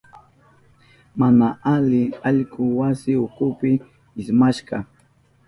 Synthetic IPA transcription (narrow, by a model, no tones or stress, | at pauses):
manaʔalɪaʎkʊwasɪʊkʊpɪ | ɪsmaʃɢɑ